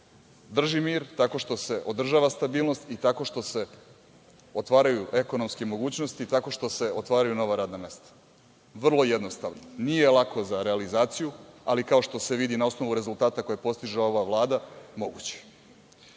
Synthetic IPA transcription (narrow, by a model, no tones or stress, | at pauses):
d̪r̩ʒimiːɾt̪ako̞ʃt̪o̞se̞ʔo̞d̪r̩ʒaːʋast̪abiːlˠno̞st̪it̪ako̞ʃt̪o̞se̞ | o̞t̪ʋaːɾajuʔe̞ko̞nomskemo̞ɡuːt͡ɕnost̪it̪ako̞ʃt̪o̞se̞o̞t̪ʋaːɾajuno̞ʋaɾaːd̪name̞ːst̪ḁ | ʋr̩lˠo̞jed̪no̞st̪a̰ʋnonije̞lˠako̞zaɾealizaːt̪sijua̰likao̞ʃt̪o̞se̞ʋid̪inao̞sno̞ʋuɾe̞zulˠt̪aːt̪ako̞jepo̞st̪iʒeo̞ʋaʋlˠaːd̪amo̞ɡṵt͡ɕe̥